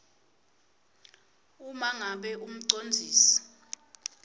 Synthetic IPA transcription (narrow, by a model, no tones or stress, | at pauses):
umaŋaɓɛʔum̩ǀond͡zʱiːsi̥